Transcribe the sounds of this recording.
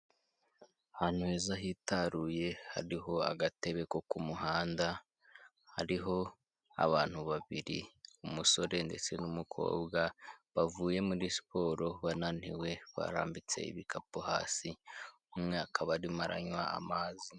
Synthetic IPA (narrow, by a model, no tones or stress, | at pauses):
han̥uhe̞ːzaɦitaɾuje̞ha̰ɾiɦo̞a̰ɡate̞βe̞ko̞kumuɦaːnda | haɾiɦo̞ | a̰βaːn̥huβaβiɾḭumuso̞ɾe̞nde̞t͡se̞numukʰo̰ːbɡaβavuːje̞muɾispo̞ːɾo̞βanan̥iwe̞βa̰ɾa̰ːmbit͡se̞̰ḭβikʰapoha̰ːsi | umŋeakʰaβaɾimaɾa̰ɲwa̰a̰maːzi